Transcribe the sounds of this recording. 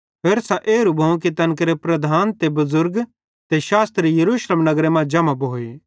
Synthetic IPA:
pʰeːɾsãʔeːɾubʱɐ̃k̬it̪ɐnkɾepɾɐd̪ʱaːnt̪ebɐzʊɾɡ | t̪eʃaːst̪ɾijɐɾuːʃleːmnɐɡɾemãd͡ʒɐmãboːe

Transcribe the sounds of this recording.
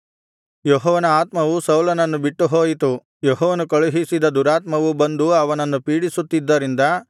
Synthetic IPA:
jɔɦɔːʋɐnɐaːt̪mɐʋusɐwlɐnɐnːubiʈːuɦoːjit̪u | jɔɦɔːʋɐnukɐɭuɦisid̪ɐd̪uɾaːt̪mɐʋubɐnd̪uɐʋɐnɐnːupiːɽisut̪ːid̪ːɐɾind̪ɐ

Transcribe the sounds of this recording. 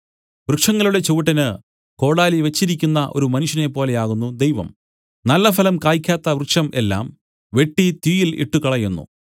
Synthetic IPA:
ʋrɨkʂɐŋːɐluɽe̞t͡ɕoʋiʈːɐnɨ | ko̞ːɽaːliʋet͡ɕːiɾikʲːunːɐʔo̞̰ɾumɐnuʂjɐne̞pːo̞ːle̞jaːɣunːud̪ejʋɐ̰m | nɐlːɐfɐlɐmkaːjikʲːaːt̪ːɐʋrɨkʂɐme̞̰lːa̰ːm | ʋe̞ʈːit̪wiːjilḭʈːukɐɭɐjunːṵ

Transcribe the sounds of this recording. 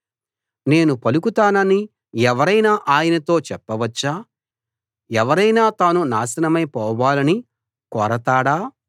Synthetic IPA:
ne̞ːnupɐlukut̪aːnɐni | ɛʋɐɾɐjnaːʔaːjɐnɐt̪o̞ːt͡ʃɛpːɐʋɐt͡ʃːaː | ɛʋɐɾɐjnaːt̪aːnunaːsɐnɐmɐjpɔːʋaːlɐni | kɔːɾɐt̪aːɽaː

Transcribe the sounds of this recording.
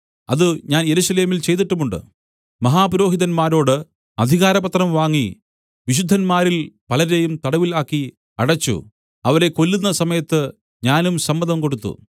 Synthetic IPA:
ɐ̰ðɨɲaːnje̞ɾusɐle̞ːmilt͡ɕe̞jt̪iʈːɐmuɳɖɨ̰ | mɐɦaːpɾo̞ːɦiðɐnmaːɾo̞ːɽɨ | ɐd̪ʱiɣaːɾɐpɐt̪rɐmʋaːŋːi | ʋiɕ̬ud̪ʱːɐnmaːɾilpɐlɐɾe̞jumt̪ɐɽɐʋilaːkːi | ɐɽɐt͡ɕːṵ | ɐʋɐɾe̞ko̞lːunːɐsɐmɐjɐt̪ːɨ | ɲaːnumsɐmːɐðɐmko̞ɽut̪ːṵ

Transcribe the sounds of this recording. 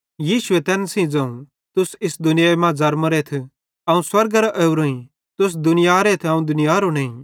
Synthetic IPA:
jiːʃʊɛt̪ɛːnsĩd͡zɐ̃ːũ | t̪ʊsɪsd̪ʊnɪjaemãd͡zɐɾmɐɾeːt̪ʰ | ɐũswɐɾɡɐɾaʔɛːʊɾoːĩ | t̪ʊs̬d̪ʊnɪjaːɾet̪ʰɐũd̪ʊnɪjaːɾoneːĩ

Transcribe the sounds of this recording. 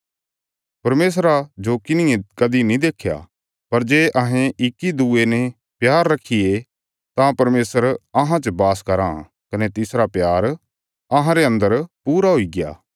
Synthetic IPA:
pɐɾmeːs̬ɾad͡ʒokɪnɪjẽkɐd̪inĩd̪eːkʰja̰ | pɐɾd͡ʒeːʔɐɦẽʔɪkːid̪uenɛ | pjaːɾːɐkʰːije | t̪ãpɐɾmeːsəɾɐɦãt͡ʃəbaːskɐɾã̰ | kɐnet̪ɪsɾapjaːɾ | ɐɦãɾeɐ̃nd̪əɾpuːɾaɦoiɡɪja̰ː

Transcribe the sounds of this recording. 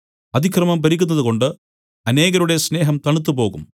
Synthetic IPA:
ɐd̪ʱikʰrɐmɐmpɐɾikʲːun̪ːɐðuko̞ɳɖɨ | ɐne̞ːɣɐɾuɽe̞sne̞ːɦɐmt̪ɐɳut̪̬ːupo̞ːɣum

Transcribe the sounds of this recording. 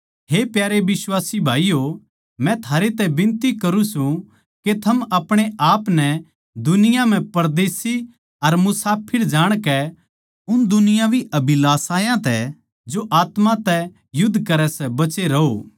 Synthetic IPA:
ɦepjaːɾeʋɪswaːsibʱaːijo | mɛ̃t̪ʰaːɾet̪ɛbɪ̃nt̪ikɐɾũsũ | ket̪ʰɐmɐpɽ̃eʔaːpnɛ | d̪ʊnɪjãm̤ɛ̃pɐɾd̪eːsi | ɐɾmʊsaːpʰɪɽd͡ʒaːɽ̃kɛ | ʊnd̪ʊnɪjãbʱiɐbilaːsaːjãt̪ɛ | d͡ʒoʔaːt̪mãt̪ɛ | jʊd̪ʱːkɐɾɛsɛbɐt͡ʃeɾɐoː

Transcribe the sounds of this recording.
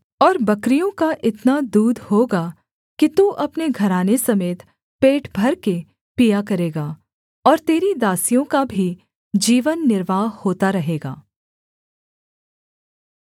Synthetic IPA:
ɔːɾbɐkɾijõkaʔɪt̪nad̪uːd̪ʱhoːɡa | kit̪uʔɐpneɡʱɐɾaːnesɐmeːt̪ | peːʈbʱɐɾke | pijakɐɾeːɡaː | ɔːɾt̪eːɾid̪aːsijõkabʱi | d͡ʒiːʋənːɪɾʋaːɦhoːt̪aɾɐɦeːɡa̰ː

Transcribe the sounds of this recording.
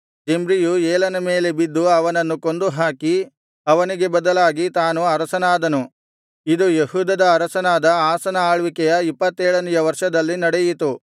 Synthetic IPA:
d͡ʒembɾijueːlɐnɐme̞ːle̞bid̪ːuɐʋɐnɐnːuko̞nd̪uɦaːki | ɐʋɐniɡe̞bɐd̪ɐlaːɡit̪aːnuɐɾɐsɐnaːd̪ɐnu | id̪ujehuːd̪ɐd̪ɐːɾɐsɐnaːd̪ɐaːsɐnɐaːɭʋikɛjɐipːɐt̪ːeːɭɐnijɐʋɐɾʂɐd̪ɐlːinɐɽɛjit̪u

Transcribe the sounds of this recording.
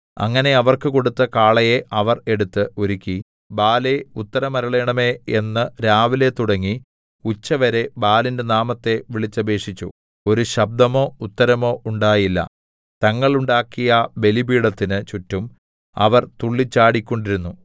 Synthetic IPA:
ɐ̰ŋːɐne̞ɐʋɐrkɨko̞ɽut̪ːɐkaːɭɐjeʔɐʋɐre̞ɽut̪ːɨoɾikʲːi | baːle̞ut̪ːɐɾɐmɐɾɐɭeːɳɐme̞ːenːɨɾaːʋile̞t̪uɽɐŋːi | ut͡ɕːɐʋɐɾe̞baːlindenaːmɐt̪ːe̞ʋiɭit͡ɕːɐbe̞ːʂit͡ɕːṵ | o̞ɾuɕɐb̚d̪ɐmo̞ːut̪ːɐɾɐmo̞ːuɳɖaːjilːɐ̰ | t̪ɐŋːɐɭuɳɖaːkːijɐbe̞libiːɽɐt̪ːinɨt͡ɕutːum | ɐ̰ʋɐrt̪uɭːit͡ɕːaːɽikʲːo̞ɳɖiɾunːu

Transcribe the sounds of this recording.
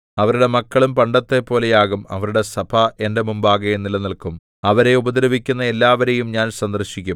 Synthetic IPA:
ɐʋɐɾuɽe̞mɐkːɐɭumpɐɳɖɐt̪ːe̞pːo̞ːle̞jaːɣumɐ̰ʋɐɾuɽe̞sɐbʰʱɐe̞nde̞mumbaːɣɐnːilɐnilkum | ɐʋɐɾe̞ubɐd̪iɾɐbikʲːunːɐe̞lːaːʋɐɾe̞jumɲaːnsɐnd̪ɐrɕikʲːum

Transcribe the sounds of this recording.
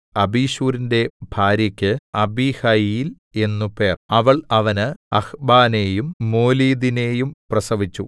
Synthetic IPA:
ɐbiːɕuːɾinde̞bʱaːɾjɐkʲːɨɐbiːhɐjjil | e̞nːupe̞ːrɐʋɐɭɐʋɐnɨɐxbaːne̞ːjumːo̞ːliːd̪ine̞ːjumprɐsɐʋit͡ɕːṵ

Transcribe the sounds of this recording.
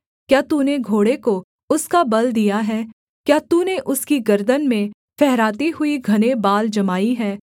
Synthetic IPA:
kjaːt̪uːneɡʱoːɽeko | ʊskabɐld̪ijaɦɛː | kjaːt̪uːneʔʊskiɡɐɾd̪ənmẽ | fɛɦɾaːt̪iɦʊiɡʱɐnebaːld͡ʒɐmaːiɦɛː

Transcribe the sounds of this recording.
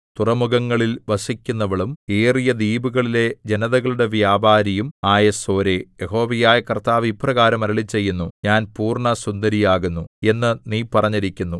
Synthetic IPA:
t̪urɐmuɣɐŋːɐɭilʋɐsikʲːunːɐʋiɭumeːrijɐd̪iːbuɣɐɭile̞d͡ʑenɐðɐɣɐɭuɽe̞ʋjaːbaːɾɐjumaːjɐso̞ːɾejeho̞ːʋɐjaːjɐkɐrt̪aːʋipːrɐɣaːɾɐmɐɾɐɭit͡ɕːe̞jːunːuɲaːnpuːrɳɐsund̪ɐɾijaːɣunːue̞nːɨniːpɐrɐɲːɐɾikʲːunːu

